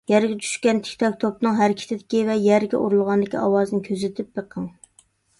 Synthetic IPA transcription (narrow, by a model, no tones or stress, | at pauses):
jɛɾɡʲɛt͡ʃ̪ʰy̥ʃkʲɛnt̪ʰe̥kʲt̪ʰɑk̚ʲt̪ʰopnɨŋɦæɾkʲʰi̥t̪ʰɪd̪ɪkʲivɛjæɾɡʲɛ̰ʔuɾulˠʁɑnd̪ɪkʲiɑwɑznɪkʲʰøzɪt̪ʰɪp̚beqʰːəŋ